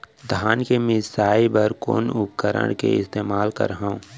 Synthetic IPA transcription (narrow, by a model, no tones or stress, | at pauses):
d̪ʱaːnkemɪsaːibəɾko̰ːnʊp̚kəɾə̰ɽ̃kḛɪst̪eːmaːlkə̰ɾɦaːũ